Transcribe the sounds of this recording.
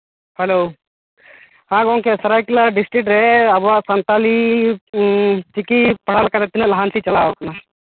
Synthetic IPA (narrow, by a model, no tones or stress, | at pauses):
hɐlow | hãːɡoːŋkesɐɾaːjkulaɖisʈɾik̚ʈɾeɐbʋasɐnt̪aːli | t͡ʃikipɐɽaːlkɐd̪ɐt̪ːinɐlɐɦaːnsit͡ʃɐlaːʋɐkɐna